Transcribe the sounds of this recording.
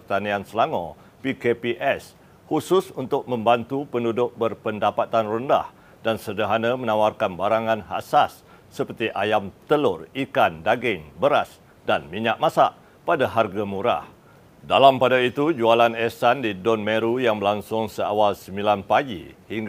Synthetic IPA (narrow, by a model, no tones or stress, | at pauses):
ərt̪aniansəlaŋɔ̃ | pikepiʔɛs | husʊsunt̪ʊk̚mə̃mbant̪upəndudʊk̚bərpəndapat̪anrunda̰h | dansərdəɦanãmə̃nawarkanbaɾaŋãnha̰sasː | əpərt̪iʔajamt̪əlʊrikandaɡɪŋbəɾas | danmiɲaʔ̚mãsaʔ | padaɦarɡamuɾa̰h | dalampadait̪ud͡ʒualanɛsandidɔnmeɾujaŋbəlaŋsʊŋsəa̰walsəmbilanpaɡḭhiŋɡ